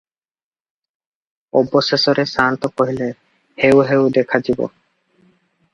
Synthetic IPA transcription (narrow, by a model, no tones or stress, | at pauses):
ɔbːosesoɾesant̪okoɦile | hewɦewd̪ekʰad͡ʑibo̰